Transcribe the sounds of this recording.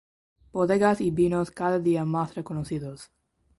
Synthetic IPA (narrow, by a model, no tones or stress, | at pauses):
b̥oðeɣasibinoskaðaðiamasrekonoθiðos